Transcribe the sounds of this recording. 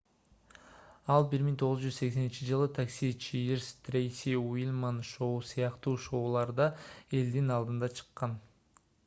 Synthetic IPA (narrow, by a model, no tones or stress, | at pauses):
ɑlˠbiɾmiŋt̪ʰo̞ʁʊzd͡ʒyzse̞kse̞nint͡ʃid͡ʒɯlˠɯt̪ʰaksʲit͡ʃʰijiɾst̪rʲejsʲiwilʲmanʃo̞usɯjɑqt̪uːʃo̞ːlˠɑɾd̪ɑe̞ld̪inɑlˠd̪ɯnd̪ɑt͡ʃʰɯ̥qːɑn